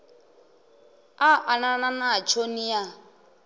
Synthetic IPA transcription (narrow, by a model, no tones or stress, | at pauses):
aʔanananat͡ʃʰonija